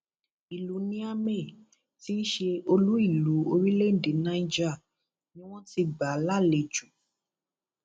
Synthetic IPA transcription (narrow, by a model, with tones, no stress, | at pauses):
i˨lu˨˦nĩ˦a˦me˦˨ | ti˦ʃe˧o˧lu˦i˦˨lu˨˦o˧ɾi˦le˦n̩˨de˨nã˨˧˦ĩ˦d͡ʒa˦˨ | nĩ˦w̃ɔ̃˦ti˧ɡ͡ba˨˦la˦˨le˧˨d͡ʒu˨˦